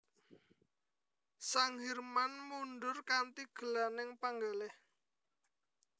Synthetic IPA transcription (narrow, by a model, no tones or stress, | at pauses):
saŋɦirmanmunɖʊrkant̪iɡ̥ə̤lanɪŋpaŋɡaleh